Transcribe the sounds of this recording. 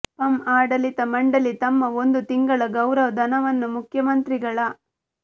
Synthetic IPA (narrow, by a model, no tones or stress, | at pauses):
pɐmaːɽɐlit̪ɐmɐɳɖɐlit̪ɐmːɐond̪ut̪iŋɡɐɭɐɡɐwɾɐʋɐd̪ɐnɐʋɐnːumukʰjɐmɐnt̪ɾiɡɐɭɐ